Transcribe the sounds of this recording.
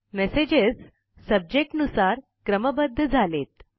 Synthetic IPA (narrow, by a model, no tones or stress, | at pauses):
mesed͡ʑed͡z | səb̚d͡ʑek̚ʈnusaɾ | kɾəməbəd̪ʱːəd͡zʱalet̪̚